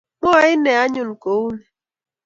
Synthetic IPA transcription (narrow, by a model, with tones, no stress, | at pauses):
mɔ˦a˨ɪ˦ne˨a˦ɲʊ˨n̩˨ko˨u˦nɛ˨